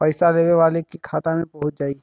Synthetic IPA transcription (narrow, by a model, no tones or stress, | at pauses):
pəɪsaleːʋeʋaːlekikʰaːt̪amẽpɐɦʊt̪̚d͡ʒaːi